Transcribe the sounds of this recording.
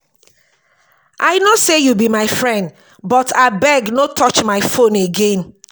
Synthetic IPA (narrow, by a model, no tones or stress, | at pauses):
ʔaɪnosejubimaɪfɹɛ̃nd | bɔtʰabɛɡnotʰɔt͡ʃmaɪfõneɡẽn